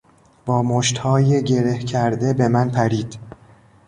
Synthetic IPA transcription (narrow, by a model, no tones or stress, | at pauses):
b̥ɒːmoʃt̪hɒːjeɟe̞ɾe̞hcʰæɾd̪e̞be̞mænpʰæɾiːd̪̥